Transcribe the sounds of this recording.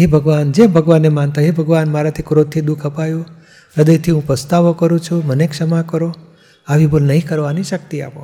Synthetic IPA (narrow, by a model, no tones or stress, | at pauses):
ɦebʱəɡʋand͡ʒebʱəɡʋanemant̪aɦebʱəɡʋanmaɾat̪ʰikɾot̪ʰːid̪ukʰəpajũ | ɾəd̪əjt̪ʰiɦũpɾəst̪aʋokəɾũt͡ʃʰũmənekʃəmakəɾo | aʋibolnəɦĩkəɾʋaniʃək̚t̪ia̰põ̰